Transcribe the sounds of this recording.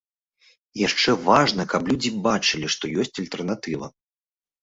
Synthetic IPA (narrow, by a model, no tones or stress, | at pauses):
jaʂt͡ʂɛvaʐnɐkɐplʲud͡zʲibat͡ʂɨlʲiʂt̪ɔjɔsʲt͡sʲɐlʲt̪ɛrnat̪ɨvɐ̰